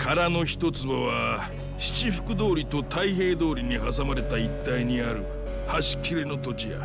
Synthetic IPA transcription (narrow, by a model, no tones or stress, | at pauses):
kʰaɾano̞çi̥t̪o̞t͡sɨβaβa | ɕi̥t͡ɕiɸɯ̟̥kɯ̟d̪o̞ːɾʲit̪o̞t̪aiɦe̞ːd̪o̞ːɾʲiɲ̟iɦasamaɾe̞t̪ait̪ːaiɲ̟iaɾɯ̟ | haɕi̥kʲːiɾeno̞t̪o̞t͡ɕija̰